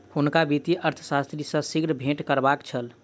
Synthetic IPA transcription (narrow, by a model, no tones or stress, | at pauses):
hunkabit̪iʔəɾt̪ʰə̥sast̪ɾisə̃siɡɾəbʱeʈkəɾbakt͡ʃʰəl